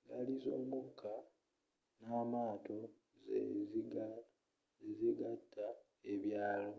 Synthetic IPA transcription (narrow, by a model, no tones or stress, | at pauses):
ɡalizoːmuka | naːmaːto̞ | zḛziɡ | eziɡatʰːa | e̞βjaːlo̞